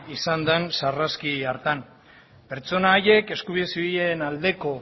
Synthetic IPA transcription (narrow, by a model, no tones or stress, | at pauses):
isand̪ensaraskiaɾt̪an | pe̞ɾt͡so̞naːje̞ke̞skuβiðesiβienald̪e̞ko̞